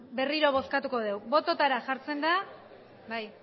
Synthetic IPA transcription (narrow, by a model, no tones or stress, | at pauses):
be̞riɾo̞β̞o̞skat̪uko̞ð̞e̞wbo̞t̪o̞t̪aɾaʝaɾt͡se̞nd̪a | baj